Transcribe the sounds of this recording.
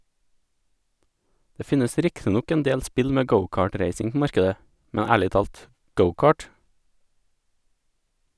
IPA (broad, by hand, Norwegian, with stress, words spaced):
ˈdeː ˈfɪnəs ˈɾɪktɪ ˈnɔk ɛnˈdeːʎ ˈspɪʎ ˈmeː ˈɡəʊˌkɑːˌʈɾeɪsɪŋ ˈpoː ˈmɑɾkədə ˈmɛɲ ˈæːɭɪ ˈtɑːlt ˈɡəʊˌkɑːʈ